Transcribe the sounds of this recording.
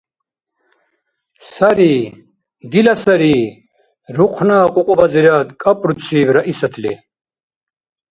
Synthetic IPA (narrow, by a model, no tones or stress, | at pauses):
saɾiː | d̪ilasaɾiː | ɾuqʰnaːqʼuqʼɔvaziɾad̪kʼapʼɾut͡sʰiːvɾaʔisat̪ʰlḭ